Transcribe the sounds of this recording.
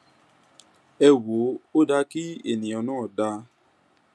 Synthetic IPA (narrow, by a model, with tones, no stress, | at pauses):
ɛ˧wo˨˦o˦da˧ki˦e˨nĩ˨ɔ˧nãː˦˨da˧